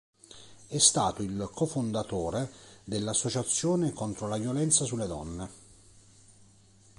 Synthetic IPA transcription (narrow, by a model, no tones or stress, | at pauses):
ɛst̪aːt̪oilkʰofond̪at̪oːɾed̪elːasːot͡ʃat̪sːjoːnekont̪ɾolavjolɛnt̪sasulːed̪ɔnːe